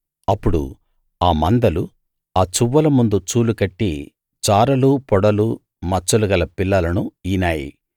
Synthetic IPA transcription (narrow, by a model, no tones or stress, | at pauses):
ɐpːuɽṵ | aːmɐnd̪ɐlu | aːt͡ʃuʋːɐlɐmund̪ut͡ʃuːlukɐʈːi | t͡ʃaːɾɐlupɔɽɐlu | mɐt͡ʃːuluɡɐlɐpilːɐlɐnuiːnaːjḭ